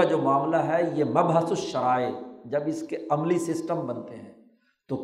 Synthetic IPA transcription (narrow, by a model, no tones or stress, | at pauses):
ad͡ʒoːmaːmlaɦɛjemɐbʱɦəsʊsʃɐɾaːed͡ʒɐbɪskeɐmlisɪsʈəmbɐnt̪eɦɛ̃ː | t̪o